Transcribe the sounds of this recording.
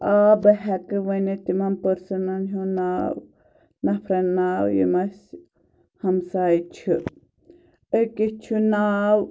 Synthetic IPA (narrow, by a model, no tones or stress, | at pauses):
aːbɐɦɛkɨʋɐnet̪imɐmpɐɾsɐnɐnɦunaːw | nɐpʰɾɐnnaːwjḭmɐs | hɐmsaːjt͡ʃʰiɨ | əkit͡ʃʰunaːw